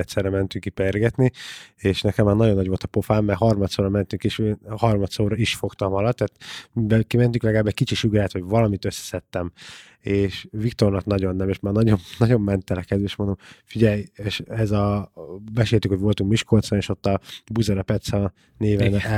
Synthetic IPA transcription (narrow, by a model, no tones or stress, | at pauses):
ɛt̪sɛrːɛmɛnt̪yŋkːiperɡɛt̪nieːʃnɛkɛmːaːrnɒɟo̞nːɒɟʋo̞lt̪ɒ̥po̞faːmːɛɦɒrmɒt̪soːɾɒmɛnt̪yŋkeːʃhɒrmɒt̪soːɾɒiʃfo̞kt̪ɒmɒlɒt̪ːaːt̪mibɛkimɛnt̪yklɛɡlaːbːɛc̚ʲkit͡ʃiʃyɡɾɛːt̪ho̞ɟvɒlɒmit̪øsːɛ̥sɛt̪ːɛm | eːʃvikt̪o̞rnɒknɒɟo̞nːɛmeːʃmaːrnɒɟomnɒɟo̞mːɛnt̪ɛlɛkɛd̪ʋeʃmond̪omfiɟɛjeːʃɛzɒbɛʃeːlt̪ykhoɟvo̞lt̪uŋkmiʃkolt̪soneːʃo̞t̪ːɒbuzɒɾɒpɛt̪sɒ | neːvɛn